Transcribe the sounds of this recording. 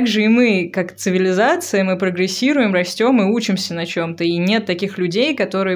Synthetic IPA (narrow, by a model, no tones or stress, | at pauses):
ɡʐɨɪmɨkakt̪sɨvʲɪlʲɪzat̪sɨjəmɨpɾəɡɾʲɪsʲːiɾʊjɪmrɐsʲtʲo̞mɨut͡ɕɪmsʲənɐt͡ɕo̞mt̪əinʲe̞t̪ːɐkʲixlʲʉdʲejkɐt̪o̞ɾɨjə